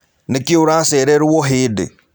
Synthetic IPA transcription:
nekioɾaseɾeɾuwoɦɪːdḛ

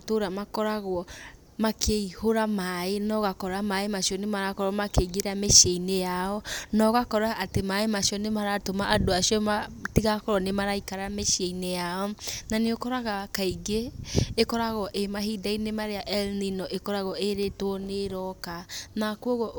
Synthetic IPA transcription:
toɾamakɔɾaɣɔ | makʰeihoɾamaenɔɣakɔɾamaemasiɔnemaɾakɔɾɔmakeɣeɾameʃeinejaɔnɔɣakɔɾaʔːtemaemasiɔnemaɾatomaʔadoasiɔmatiɣakɔɾɔnemaɾaikaɾameʃieinejaɔnaneokɔɾaɣakaiɡeːkɔɾaɣɔʔemaɦidainemaɾeaʔɛlninɔʔekɔɾaɣɔeɾetoneɾɔkanakoɣɔ

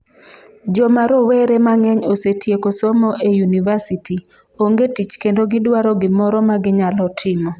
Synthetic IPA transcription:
d͡ʒɔmaɾoweɾemaŋɛɲosetʰjekosɔmɔʔejunivasiti | oŋɡetit͡ʃkendoɡɪdwaɾɔɡɪmɔɾɔmaɡɪɲalɔtʰɪmɔ

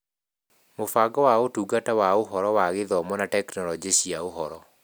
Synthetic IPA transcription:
mofaɡɔwaotuːɡatawaoɦɔɾɔwaɣeðɔmɔnatɛknɔlɔd͡ʒeɕiaoɦɔɾɔ

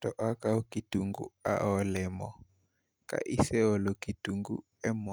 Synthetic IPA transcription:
tɔʔakaukituŋɡṵa̰ɔlɛmɔ̰ | ka̰ʔisɛɔlɔkituŋɡṵ | ɛmɔ

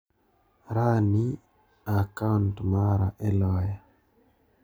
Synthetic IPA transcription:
ɾani | akauntmaɾaʔɛlɔja

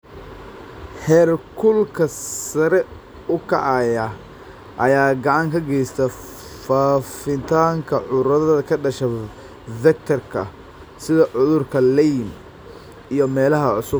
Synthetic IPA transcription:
hɛrkʰʊlkʰɐsɐɾɛ | ʊkʰɐʕɑjɐ | ʔɐjaːɡɐʕɑŋkʰɐɡɛjst̪ʰɐ | faːfɪnt̪ʰaːŋkʰɐʕʊɾɐðɐðɐkʰɐɖɐʃɐ | vɛk̚t̪ʰɐrkʰɐ̰ | sɪðɐʕʊðʊrkʰɐlɛjm | ijɞmɛːlɐɦɐʕʊsʊb

